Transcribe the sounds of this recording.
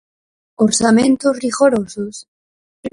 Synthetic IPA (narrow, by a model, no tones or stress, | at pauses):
oɾsamẽnt̪ozriɣoɾosos